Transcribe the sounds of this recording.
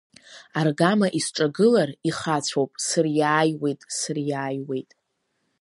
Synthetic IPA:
arɡamaʔisʈ͡ʂʼaɡɨlariχat͡sʷʰowpʼsɨrjaːjwe̞jtʼsɨrjaːjwe̞jtʼ

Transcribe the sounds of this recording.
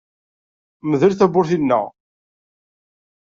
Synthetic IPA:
məðəlθæbʊɾθinːə̰ʁ

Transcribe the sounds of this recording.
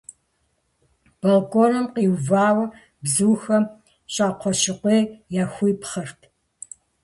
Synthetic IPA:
b̥ɐlkʷʼorɐmqiːwvaːwɐ | bzɨːxɐ | ɕʼaːqʷʰɔɕɪqʷeːjaːxʷijpχɐrtʰ

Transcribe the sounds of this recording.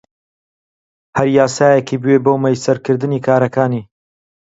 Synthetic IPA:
hɐɾjaːsaːjekʰiːbwebowmɐjsɐɾkɨɾd̪ɨniːkʰaːɾɐkaːniː

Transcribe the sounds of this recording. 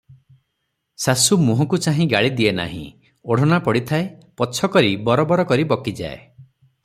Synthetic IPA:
sasumuɦɔkut͡ʃaɦĩɡaɭid̪iena̰ɦḭ̃ | oɽ̤ɔnapɔɽit̪ʰaepɔt͡ʃʰɔkɔɾibɔɾɔbɔɾɔkɔɾibɔkid͡ʒa̰e

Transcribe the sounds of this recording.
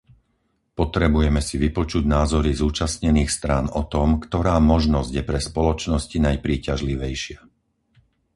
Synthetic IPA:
pɔt̪ɾɛbujɛmɛsiʋipɔt͡ʃuɟnaːzɔɾizuːt͡ʃasɲɛniːxst̪ɾaːnɔt̪ɔmkt̪ɔɾaːmɔʒnɔzɟjɛpɾɛspɔlɔt͡ʃnɔscinajpɾiːcaʒliʋɛjʃɪa

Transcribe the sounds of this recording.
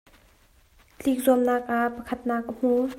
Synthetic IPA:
t͡ɬik̚zumnaːk̚ʔaʔpɐkʰɐt̪̚naːk̚ʔəm̥u

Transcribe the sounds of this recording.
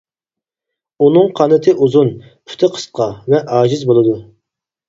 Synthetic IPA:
unɨŋqʰɑnɨt̪ʰɨʔuzun | pʰy̥t̪ʰɪqʰə̥sqʰɑvɛʔɑːd͡ʒizbolˠɨd̪u

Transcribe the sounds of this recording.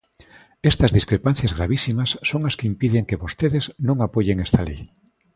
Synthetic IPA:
est̪ɐzðiskɾepan̟θjazɣɾaβisimasːoŋaskeimpiðeŋkeβost̪eðeznõŋapojeŋest̪alḛj

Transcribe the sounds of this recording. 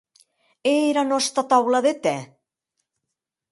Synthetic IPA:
eɾanɔst̪ɾat̪awlaðet̪ɛ

